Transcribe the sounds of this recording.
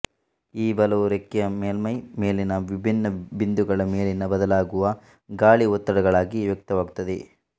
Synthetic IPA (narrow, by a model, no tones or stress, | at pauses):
iːbɐlɐʋuɾekːijɐmeːlmɐjmeːlinɐʋibʱinːɐbind̪uɡɐɭɐmeːlinɐbɐd̪ɐlaːɡuʋɐ | ɡaːɭiɔt̪ːɐɽɐɡɐɭaːɡiʋjɐk̚t̪ɐʋaːɡut̪ːɐd̪e